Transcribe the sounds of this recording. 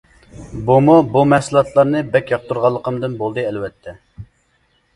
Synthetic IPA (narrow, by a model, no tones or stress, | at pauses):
bumubumɛsɨlˠɑt̪lˠɑɾnɨbɛkʲjɑq̚t̪uɾʁɑlˠːəqʰəmd̪ɨnbolˠd̪ɨɛlwɛt̪ʰːɛ